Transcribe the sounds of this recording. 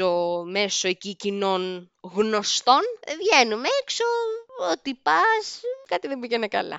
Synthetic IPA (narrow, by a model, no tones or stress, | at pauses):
ome̞so̞ecicino̞n | ɣno̞st̪o̞nvʝenumeeksoot̪ipɐskɐt̪iðebiʝenekɐ̰lɐ̰